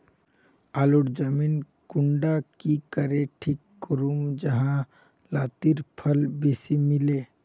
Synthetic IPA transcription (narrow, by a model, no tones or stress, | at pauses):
aːluɽd͡ʒəmiːn | kʊɳɖakikəɾeʈʰiːkːʊɾumd͡ʒəɦã | laːt̪iɾpʰəlbeːsimɪleː